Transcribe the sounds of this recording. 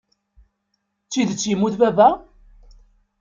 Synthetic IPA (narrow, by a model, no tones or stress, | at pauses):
t͡sːiðt͡sːjimːuθbæbæ